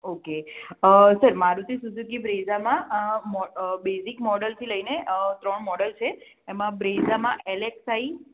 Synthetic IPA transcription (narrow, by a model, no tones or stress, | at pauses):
okeəsəɾmaɾũt̪ʰisud͡ʒ̪ʱukibɾezamãmɔbesikmɔɽəlt̪ʰiləineʔət̪ɾəɳmɔɽəlt͡ʃʰeː | mãbɾezamãʔeleksai